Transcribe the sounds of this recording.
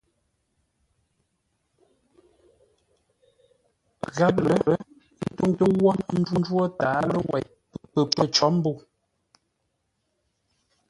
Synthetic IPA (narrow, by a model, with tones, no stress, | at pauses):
ɣa˦p̚lə˨ə˦ | n̩˦to˦ŋtə˦wɔ˦nn̩˦d͡ʒu˦n˦d͡ʒwɔ˦taː˨˦lə˦wɛ̰˨j | pə˨pə˦t͡ʃɔ˨˦m˦bu˦˨